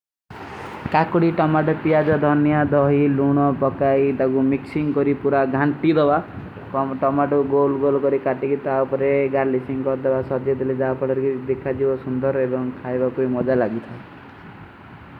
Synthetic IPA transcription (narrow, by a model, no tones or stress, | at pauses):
kakuɽiʈɔmaʈɔp̪iad͡ʒɔd̪ʱɔnjad̪ɔɦiluɽ̃ɔpɔkajd̪aɡumiksiŋkɔɾipuɾaɡʱaɳʈid̪ɔba | ʈɔmaʈuɡolɡolkɔɾikaʈikit̪aupɔɾeɡaɾlisiŋkɔɾd̪ɔbasɔd͡ʒ̪jɔd̪iled͡ʒawpaɽɔɾkid̪ekʰad͡ʒibɔsund̪ɔɾebɔŋkʰajbakuimɔd͡ʒalaɡit̪ʰae